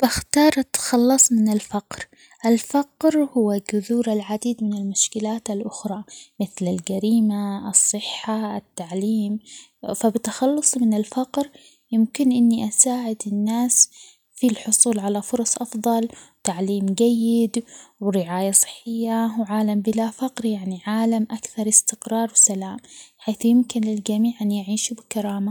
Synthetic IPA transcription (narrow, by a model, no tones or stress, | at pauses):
baxt̪ɑːɾˤʔat̪ːḁxɑlːɑsˤmɪnɪlfaqɾ | ʔɪlfaqɾhʊwːaɡʊðuːɾalʕad̪iːd̪mɪnɪlmʊʃkɪlaːt̪alʔʊxɾˤɑmɪθlɪlɡaɾiːmaɑsˤːɨħːaɪt̪ːaʕliːm | fabɪt̪ːaxɑlːʊsˤmɪnɪlfɑqɾ | jɪmkɪnʔɪnːiʔasaːʕɪd̪ɪnːaːs | filħʊsuːlʕalafʊɾˤɑsˤʔɑfðˤɑlwt̪aʕliːmd͡ʒajːɪd̪wɾɪʕaːjasˤɨ̥ħːɪjːawʕaːlambɪlafaqɾjaʕniʕaːlamʔakθɑɾˤɪst̪ɪqɾˤɑːɾˤbɪsalaːmħaːθjɪmkɪnɪld͡ʒamiːʕʔanjaʕiːʃubɪkaɾˤɑːma